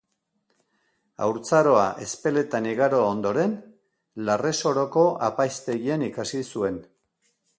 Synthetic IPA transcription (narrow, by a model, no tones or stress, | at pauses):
a̰wɾt͡saɾo̞aʔe̞spe̞le̞t̪aniɣaɾo̞aond̪o̞ɾe̞n | lare̞so̞ɾo̞ko̞ʔa̰pajst̪e̞ɣienikasisue̞n